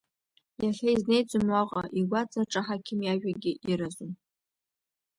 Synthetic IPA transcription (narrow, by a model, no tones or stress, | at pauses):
jaχʲaizne̞jd͡zʷʼʊmwaqʼaʔiɡʷat͡saʈ͡ʂʼaħakʲʰɪmjaʒᶣaɡʲɪʔiɾazʊn